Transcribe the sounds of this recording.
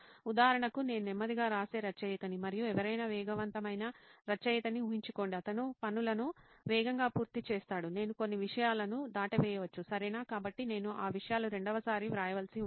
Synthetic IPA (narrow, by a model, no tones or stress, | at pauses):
ud̪aːɐɾɐɳɐkune̞ːnunɛmːɐd̪iɡaːɾaːse̞ːɾɐt͡ʃɐjit̪ɐnimɐɾijuɛʋɐɾɐjnɐʋɛːɡɐʋɐnt̪ɐmɐjnɐɾɐt͡ʃɐjɐt̪ɐniuɦiɲt͡ʃuko̞ːɳɖiɐt̪ɐnupɐnulɐnu | ʋɛːɡɐŋɡaːpuːɾt̪it͡ʃeːst̪aːɽune̞ːnuko̞nːiʋiʂɐjaːlɐnud̪aːʈɐʋɛːjɐʋɐt͡ʃːusɐɾɐjnaːkaːbɐʈːine̞ːnuʔaːʋiʂɐjaːluɾe̞ɳɖɐʋɐsaːɾiʋɾaːjɐʋɐlsi